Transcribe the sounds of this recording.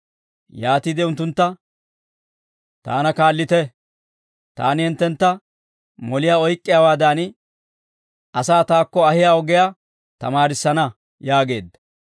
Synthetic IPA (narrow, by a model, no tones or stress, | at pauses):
jaːt̪id̪ɛʊnt̪ːʊnt̪ːɐ | t̪a̰ːnɐkaːlːɪt̪ɛ | t̪a̰ːnɪhɛnt̪ːɛnt̪ːɐ | mɔlɪjaːɔjkʼːɪjaːwaːd̪aːn | ɐsaːt̪aːkːɔɐhɪjaɔɡɛja | t̪ɐ̰maːɾɪsːɐnɐ | jaːɡe̞̰ːd̪ːɐ̥